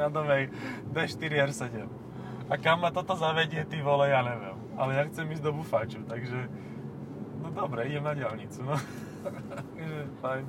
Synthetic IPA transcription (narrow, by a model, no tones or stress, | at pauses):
nad̪ɔʋɛjd̪ʋɛʃt̪iɾiɛɾsɛɟɛm | akamːat̪ɔt̪ɔzaʋɛɟɪɛt̪iʋɔlɛjanɛʋɛ̰m | a̰lɛjaxt͡sɛmiːzd̪ɔbufat͡ʃut̪aɡʒɛ | nɔd̪ɔbɾɛiɟɛmnaɟɪalɲit͡sunɔ | aɡʒɛfajn